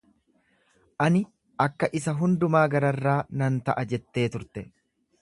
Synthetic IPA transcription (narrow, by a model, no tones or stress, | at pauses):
ʔɐnɪ | ʔɐkːɐʔɪsɐɦʊnd̪ʊmaːɡɐɾɐrːaːnɐnt̪ɐʔɐd͡ʒɛt̪ːe̞ːt̪ʊɾt̪ɛ